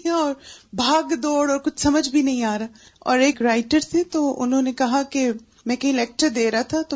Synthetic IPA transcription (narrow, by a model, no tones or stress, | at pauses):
ɔːɾbʱaːɡd̪ɔːɽɔːɾkʊt͡ʃʰsɐməd͡ʒʱbʱinɐɦĩaːɾaː | ɔ̰ːɾeːkɾaːɪʈəɾsẽt̪oʊ̰nɦõnekɐɦake | mɛ̃kɐɦĩlɛːk̚ʈəɾd̪eːɾɐat̪ʰat̪o